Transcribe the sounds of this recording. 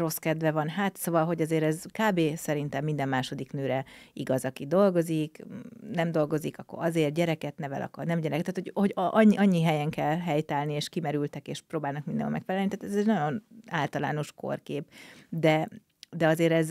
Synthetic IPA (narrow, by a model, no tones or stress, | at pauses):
ro̞skɛd̪vɛvɒnɦaːt̪soːvɒlɦo̞ɟɒzeːɾɛzkaːbeːsɛɾint̪ɛmːind̪ɛmːaːʃo̞d̪iknøːɾɛiɡɒzɒkid̪o̞lɡo̞ziknɛmd̪o̞lɡo̞zikɒkːo̰ɾɒzeːrɟɛɾɛkɛt̪nɛvɛ̰lʔɒ̰kɒ̰rnɛmɟɛɾɛkɛt̪ːat̪ho̞ɟhoɟɒʔɒɲːiɦɛjɛŋkɛlɦɛjt̪aːlnieːʃkimɛɾylt̪ɛkeːʃpɾoːbaːlnɒkmind̪ɛ̰mɒ̰mɛkfɛlɛlnit̪aːt̪ɛzɛɟnɒɟo̞naːlt̪ɒla̰ːno̞ʃko̞̰rkeːpd̪ɛ | d̪ɛɒzeːɾɛz